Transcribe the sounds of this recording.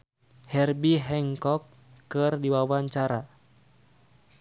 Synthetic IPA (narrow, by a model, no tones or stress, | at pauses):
hɛrbiɦɛŋkɔkː | ɨrdiwawaɲt͡ʃaɾa